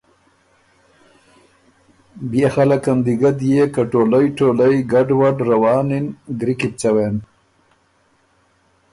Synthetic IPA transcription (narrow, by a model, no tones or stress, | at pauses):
bjexalakamd̪iɡad̪jekaʈoləjʈoləjɡaɖwaɖɾawɑːninɡɾikip̚t͡sawen